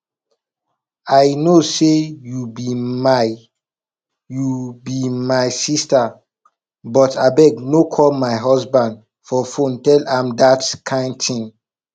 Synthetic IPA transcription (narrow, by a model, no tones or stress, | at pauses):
ajnosejubia | jubimajsista | bɔtabɛɡnokʰɔlmaɪɦɔsbãnd | fɔfõntɛlãmdatkʰãɪ̃ndtĩŋ